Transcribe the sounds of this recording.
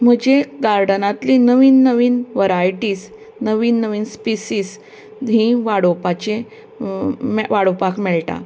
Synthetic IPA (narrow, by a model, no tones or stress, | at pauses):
m̤əd͡ʑeɡaɾɖənat̪linəʋiːnːəʋiːnʋəɾajʈiːs | nəʋiːnːəʋiːnspisiːs | ɦĩʋaɽopat͡ɕe | mʋaɽopakmeɭʈa̰